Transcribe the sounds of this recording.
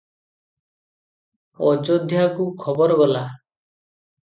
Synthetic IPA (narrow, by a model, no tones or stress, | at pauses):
ɔd͡ʒɔd̪ʱjakukʰɔbɔɾɔɡɔla